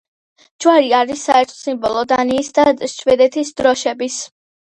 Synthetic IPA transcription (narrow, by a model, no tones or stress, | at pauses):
d͡ʒwaɾiaɾisːa̰ɛɾt̪ʰɔ̥simbɔlˠɔd̪aniːsd̪aʃʰvɛd̪ɛt̪ʰisd̪ɾɔʃɛbis